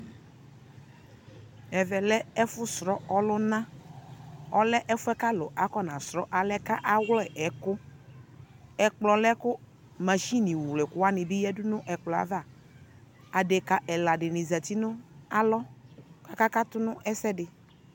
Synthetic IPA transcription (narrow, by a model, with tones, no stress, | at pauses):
ɛ˨vɛ˨lɛ˦ɛ˦fʊ˦sɾɔ˦ɔ˦lʊ˦nã˦ | ɔ˦lɛ˦ʔɛ˦fʊ˦ɛ˦ka˦lɔ˨ʔa˨kɔ˦nã˨sɾɔ˦ʔa˨lɛ˦ka˦ʔa˦wlɛ˦˨ʔɛ˨˦kʊ˦ | ɛ˨k͡plɔ˨lɛ˦kʊ˦ | ma˨ʃi˦nĩ˨wlɛ˨kʊ˦wa˦nɪ̃˨bɪ˦jɛ˦dʊ˦nʊ̃˦ʔɛ˨k͡plɔ˨a̰˨va˦˨ | a˨de˨ka˨ʔɛ˨la˨ɖɪ˨nɪ̃˨zɛ˨t̪i˦nʊ̃˦a˦lɔ˦ka˦ka˦ka˦t̪ʊ˦nʊ̃˦ʔɛ˦sɛ˦dɪ˨